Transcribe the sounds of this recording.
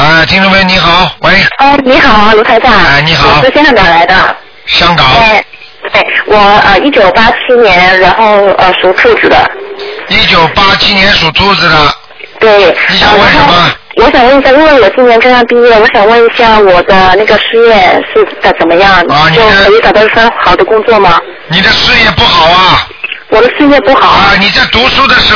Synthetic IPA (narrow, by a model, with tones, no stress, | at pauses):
ə˥˧t̪ʰi˥ŋʈ͡ʂme˧˥ni˧˥xɑ˨˩˦ʊwe˥ɪɔ˥˩ni˧˥xɑ˨˩˦lu˧˥t̪ʰa˧˥ɪt͡ɕja˥˩˥ni˧˥xɑ˧˨˩ʊʂɻ̩˥˩ɕjɛ˥nʂʰɑ˥˩ŋt̪a˨˩la˧˥ɪd̪ə̰˧ | ɕjɑ˥ŋkɑ˨˩˦ | t̪we˥˩ɪwʔɔ˨˩ə˧i˥˩t͡ɕjo˨˩ʊpa˥t͡ɕʰi˥njɛ˧˥nɻa˧˥nxo˥˩ʊə˧ʂu˨˩ʈ͡ʂʰu˥˩ʈ͡ʂ̩˨˩d̪ə̰˧˦i˥˩t͡ɕjo˨˩ʊpa˥t͡ɕʰi˥njɛ˧˥nʂu˨˩t̪ʰu˥d͡z̩˨˩d̪ə˨˩ | t̪we˥˩ɪi˧˩˧wə˧˥˧ɕə˨˩˥mɐ˧ | wɔ˧˥ɕjɑ˨˩ŋwə˥˩ni˩t͡sa˥˧˥wə˥˩wɔ˨˩t͡ɕi˥njɛ˧˥nʈ͡ʂʰə˥ɑ˥˧ŋpi˥˧jɛ˥˩wɔ˧˥ɕjɑ˨˩ŋwə˥˩ni˧˥ɕja˥˩wɔ˨˩d̪ə˦na˥˩ɡə˩ʂɻ̩˥˧jɛ˥˧ʂɻ̩˥˩t͡sa˥˩ɪt͡sə˨˩nmə˦jɑ˥˩ŋ˩˧njo˨˥˩ʊəə˧˥i˧˥t̪ɑ˨˩t̪ɑ˥˩˥ʈ͡ʂʰxɑ˨˩ʊd̪ə˦kʊ˥ŋt͡swɔ˥˩mɐ˩ | ni˨˩d̪ə˦ʂɻ̩˥˧jɛ˥˧pu˥˩xɑ˨˩ʊɐ˦˧ | wɔ˨˩d̪ə˦ʂɻ̩˥˧jɛ˥˧pu˥˩xɑ˨˩˦ə˧ni˨˩t͡sa˥˩ɪt̪u˧˥ʂu˥d̪ə˨ʂɻ̩˧˥